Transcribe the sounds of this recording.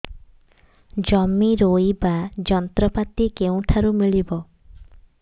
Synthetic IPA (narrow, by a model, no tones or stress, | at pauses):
d͡ʒɔmiɾojbad͡ʒɔnt̪ɾɔpat̪ikeũʈ̪ʰaɾumiɭibɔ